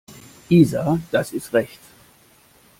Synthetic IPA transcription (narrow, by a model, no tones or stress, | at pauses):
ʔiːzad̥asɪstʁɛçt